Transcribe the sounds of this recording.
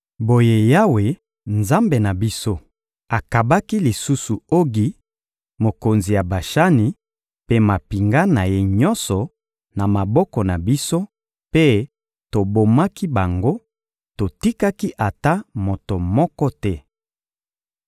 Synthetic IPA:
bo˨je˦ja˦we˨ | nza˦mbe˨na˨bi˦so˦ | a˨ka˨ba˦ki˦li˨su˦su˨o˦ɡi˨ | mo˨ko˨nzi˨ja˨ba˨ʃa˦ni˨ | pe˦ma˨pi˨ŋɡa˦na˨je˦ɲɔ˦nsɔ˨ | na˨ma˨bɔ˦kɔ˨na˨bi˦so˦ | pe˦ | to˨bo˨ma˦ki˦ba˨ŋɡo˦ | to˨ti˦ka˦ki˦ʔa˨ta˦mo˨to˨mɔ˦kɔ˦tɛ˦

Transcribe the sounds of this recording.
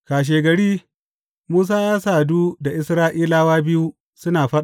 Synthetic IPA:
kaː˨ʃ̬eː˨ɡɐ˨ɽiː˦ | muː˦s̬aː˦jaː˦saː˨duː˦da˨ʔɪ˦sɾaː˦ʔiː˦laː˦waː˦bɪ˦ju˦ | sʊ˦naː˨ɸɐ˦ɗ

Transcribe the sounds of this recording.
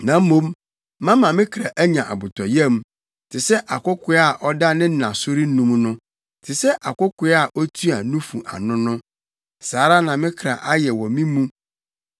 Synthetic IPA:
nã˨m̩˦mõ˦m˦ | mã˦mã˨mɪ̃˦kʰɾa˨ʔæ˦ɲã˨ʔa̰˨bʊ˨tʰɔ˨jɛ̃˦m | tʰɪ˨sɛ˦ʔa˨kʊ˦kʰʷʊ˦a˨ʔɔ˦da˦nɪ̃˦nã˨sʊ˦ɾi˦n˦nũ˦m˦nʊ̃˦ | tʰɪ˨sɛ˦ʔa˨kʊ˦kʊ˦a˨ʔɔ˦tʰu˦a˨nũ˦fṵ˨ʔa̰˨nʊ̃˦nʊ̃˦ | saː˨˦ɾa˦nã˨mɪ̃˦kʰɾa˨ʔa˦jɛ˨wɔ̃˨mĩ˦mũ˦

